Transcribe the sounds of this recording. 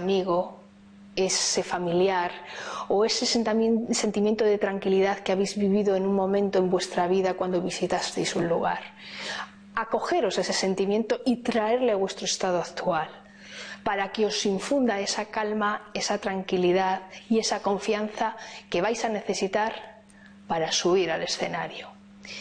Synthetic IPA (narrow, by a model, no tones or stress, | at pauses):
miɣo̞ | e̞se̞familjaɾoe̞sesese̞nt̪imje̞nt̪oðe̞t̪ɾaŋkiliðaðkeaβejzβiβiðo̞enũŋmõ̞mẽ̞nt̪o̞e̞mbwe̞st̪ɾaβ̞iðakwand̪o̞β̞isit̪ast̪ejsunluɣ̞a̰ɾ | ako̞xe̞ɾo̞se̞se̞se̞nt̪imjẽ̞nt̪oʔit̪ɾae̞ɾleaβwe̞st̪ɾoe̞st̪að̞oakt̪ual | paɾake̞o̞siɱfund̪ae̞sakalmae̞sat̪ɾaŋkiliðaðie̞sako̞ɱfjan̟θake̞βajsane̞θe̞sit̪aɾ | paɾasuβ̞iɾale̞sθe̞naɾjo